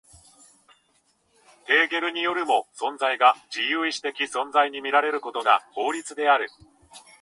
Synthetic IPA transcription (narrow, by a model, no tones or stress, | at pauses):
t̪e̞ːɡe̞ɾɯ̟ɲ̟ijo̞ɾɯ̟mo̞sõ̞nd͡zaiɡad͡ʑijɯ̟ːiɕi̥t̪e̞kʲisõ̞nd͡zaiɲ̟imʲiɾaɾe̞ɾɯ̟ko̞t̪o̞ɡa̰ho̞ːɾʲit͡sɨd̪e̞aɾɯ̟